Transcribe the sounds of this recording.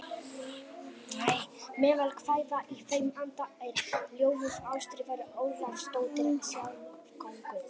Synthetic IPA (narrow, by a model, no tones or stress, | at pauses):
neːjmɛːvɛlkʰvaːjðaʔifejmant̪aejɾ̥ljoːwvʏɾawst̪ɾɪːvaɾʏʔoːwlanst̪oːwt̪ɪnsjaːwavkʰɔŋkʏ